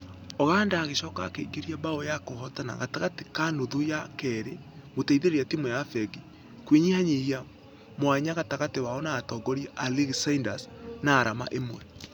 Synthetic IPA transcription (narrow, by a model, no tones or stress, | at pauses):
oɣaːndaːɣeʃɔːka̰keɡeɾiabaojakohɔtana̰ɣataɣate̥kanoðujakɛɾe | moteiðeɾeatimwɛjafɛɡi | kwiɲihaɲihia | mwaɲaɣataɣatewaɔnaːtɔːɡɔɾiʔaliɣsaindasnaːɾama̰ʔemwɛ